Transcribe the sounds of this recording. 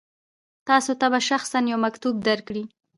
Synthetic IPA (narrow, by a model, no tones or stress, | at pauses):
t̪ɑsot̪abaʃaxsanjawmakt̪ub̚d̪aɾkɽi